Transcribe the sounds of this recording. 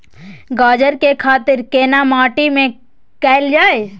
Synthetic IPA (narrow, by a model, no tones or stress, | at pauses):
ɡaːd͡ʒəɾkekʰaːt̪ɪɾkeːnamaːʈimẽ | kɛːld͡ʒaːe